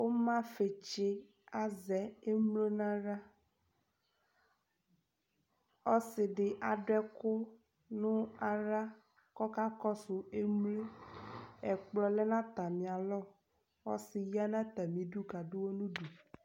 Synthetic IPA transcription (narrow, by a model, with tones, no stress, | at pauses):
wo˦mã˦fe˨t͡ʃe˦ | a˦zɛ˨e˦mle˦nã˦ɾa˦ | ɔ˦sɪ˨ɖɪ˨ʔa˨ɖɛ˦kʊ˦ | nũ˦a˨ɾa˦ | kɔ˦ka˦kɔ˦sʊ˨e˦mle˦ | ɛ˨k͡plɔ˦lɛ˦nã˦t̪a˨mĩ˨a˨lɔ˦˨ | wɔ̰˦sɪ˨ji˦a˦nã˦t̪a˨mĩ˨ɖu˦ka˨ɖʊ˦wo˦nũ˦ɖu˨